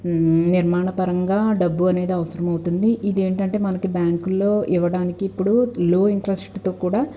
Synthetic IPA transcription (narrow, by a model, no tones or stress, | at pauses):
niɾmaːɳɐpɐɾɐŋɡaːɖɐbːuɐne̞ːd̪iɐʋɐsɐɾɐmɐwut̪und̪iʔid̪e̞ːɳʈɐɳʈe̞ːmɐnɐkibjaːŋkulːo̞ːʔiʋɐɽaːnikiːpːuɽuloːiɳʈɾɐsʈt̪o̞ːkuːɽaː